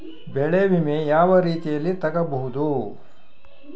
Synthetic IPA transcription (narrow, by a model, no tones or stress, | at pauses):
bɛɭeʋimejaːʋɐɾiːt̪ijɐlːit̪ɐɡɐbɐɦud̪u